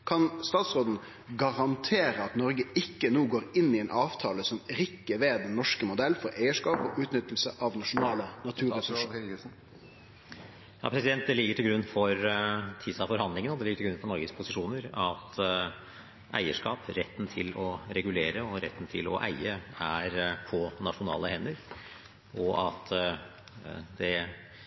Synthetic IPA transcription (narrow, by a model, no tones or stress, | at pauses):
kʰɑnst̪ɑːt̪sɾoːd̪n̩ | ɡɑʁɑnt̪ʰeːɾəɑt̪nɔɾɡəɪkːənuːɡoːɾɪnːɪɛnʔɑːʋt̪ʰɑːləsɔmɾɪkːəʋeːd̪ɛnːɔʂkəmʊd̪ɛlːfɔɾæɪəʂkɑːpɔ̰ʔʉːt̪nʏt̪ːəl̩səʔɑʋnɑʂʊnɑːlənɑt̪ʰʉːɾʁɛs | jɑ̰ːpʰɾɛsɪd̪ɛnt̪̚d̪ɛlɪɡːəʈʰɪlɡɾʉnːfɔɾt̪ʰiːsɑfɔɾhɑnd̪lɪŋənɔd̪ɛlɪɡːəʈɪɡɾʉnfɔɳɔɾɡəspʰʊsɪʂuːnəɾɑt̪ | ʔæ̰ɪəʂkɑːpɾɛt̪ːn̩t̪ʰɪlɔɾɛɡʉleːɾəɔɾɛ̰t̪ːn̩t̪ʰɪlɔ̰ʔæ̰ɪəæɾpʰɔnɑʂʊnɑ̰ːləhɛnːəɾ | ʔɔʔɑt̪ | d̪ɛ